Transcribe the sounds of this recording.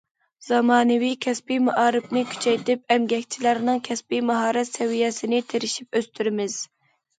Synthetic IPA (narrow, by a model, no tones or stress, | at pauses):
z̥ɑmɑːnɨwikʲʰɛspimɑʔɑːɾɨpnɪkʲʰy̥t͡ʃʰɛjt̪ɪp̚ɛmɡʲɛkʲt͡ʃʰilæɾnɨŋkʲʰɛspimɑɦɑːɾɛt̪sɛwijɛsɪnɪt̪ʰeɾɪʃip̚øst̪yɾɪmɪz̥